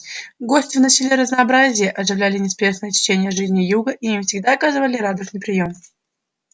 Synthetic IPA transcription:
ɡo̞sʲtʲɪvnəsʲɪlʲeɾəznɐɐbɾazʲɪjəʔɐʐɨvlʲælʲɪnʲɪspʲeʂnəjətʲɪ̥t͡ɕenʲɪjəʐɨzʲnʲɪjuɡəʔiimfsʲɪɡd̪aɐkazɨvəlʲɪɾad̪əsnɨjpɾʲɪjo̞m

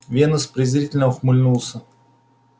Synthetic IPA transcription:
vʲenʊspɾʲɪzɾʲitʲɪlʲnəʊxmʊlʲnulˠsʲə

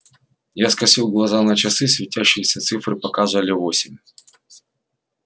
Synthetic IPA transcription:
jaskɐsʲilˠɡlˠɐzanɐt͡ɕɐsɨsvʲɪtʲæɕːɪjɪsʲɐt̪sɨfrɨpɐkazvəlʲɪvosʲɪmʲ

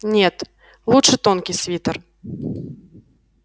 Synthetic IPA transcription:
nʲet̪ | lˠutʂɨt̪onkʲijsʲvʲit̪ər

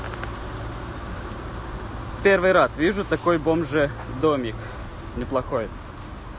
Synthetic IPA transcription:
pʲervɨjɾasvʲiʐʊt̪ɐkojbomʐɨd̪omʲɪk | nʲɪplˠɐxoj

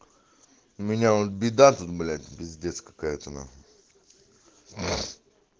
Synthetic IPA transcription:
ʊmʲɪnʲaot̪̚bʲid̪at̪ut̪blʲat̪ʲbʲɪzʲdʲeɛt̪skə̥kaɛt̪əna̰

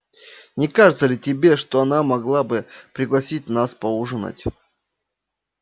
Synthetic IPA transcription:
nʲɪkaʐɨt̪səlʲɪtʲɪbʲe̞ʂt̪oɐnamɐɡlˠabɨpɾʲɪɡlˠɐsʲit̚ʲnaspɐuʐɨna̰tʲ

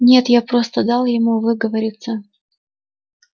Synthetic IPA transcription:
nʲe̞t̪japɾo̞st̪əd̪ɑlˠjɪmuvɨɡəvəɾʲɪt̪sə

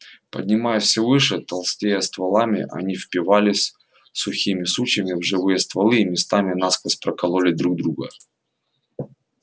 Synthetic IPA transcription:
pə̰dʲnʲɪmajəfsʲɪvɨʂɨt̪ɐlˠsʲtʲejəst̪vɐlˠamʲɪ̰ʔɐ̰nʲifpʲɪvalʲɪsʲ | sʊxʲimʲɪsut͡ɕəmʲɪvʐɨvɨjəst̪vɐlˠɨːmʲɪst̪amʲɪnaskəspɾəkɐlˠolʲɪd̪ɾuɡ̚d̪ɾuɡə

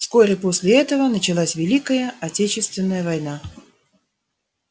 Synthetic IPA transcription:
sko̞ɾʲɪposʲlʲɪɛt̪əvənət͡ɕɪlˠasʲvʲɪlʲikəjəɐtʲet͡ɕɪst̪vʲɪnːəjəvɐjna

